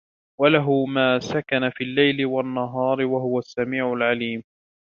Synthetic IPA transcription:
walaɦʊmaːsakanafiːlːajlɪwanːaɦɑːɾwaɦʊwasːamiːʕʊlʕaliːm

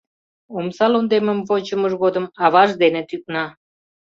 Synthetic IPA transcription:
omsɑlond̪eməmvot͡ɕəməʒɣod̪əmɑβɑʒd̪enet̪yk̚nɑ

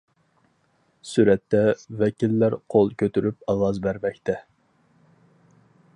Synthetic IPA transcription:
syɾɛt̪ːɛvɛkʲilːæɾqʰolˠkʲʰøt̪yɾypɑlˠɑzbæɾvɛkʲt̪ʰɛ

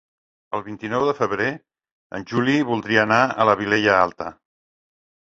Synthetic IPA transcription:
əlˠβint̪inɔwðəfəβɾe | ə̰nʲʒuliβulˠd̪ɾiəːnaə̰ləβ̞ileʎəalˠt̪ə

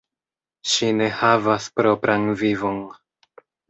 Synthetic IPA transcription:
ʃine̞havaspɾo̞pɾʔanvivo̞n

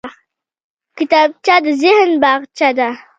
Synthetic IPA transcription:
kit̪ab̚t͡ʃad̪zihənbaʁt͡ʃad̪a

